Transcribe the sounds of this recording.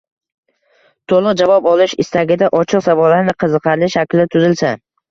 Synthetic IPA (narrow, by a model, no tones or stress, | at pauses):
t̪ʰolˠʊqd͡ʒavɒpɒlˠɪʃɪst̪aɡʲɪd̪aʔɒt͡ʃʰɨqsavɒlaɾnɪqʰɨzɨqʰɑɾlɪʃakʲlɪat̪ʰʊzɪlsa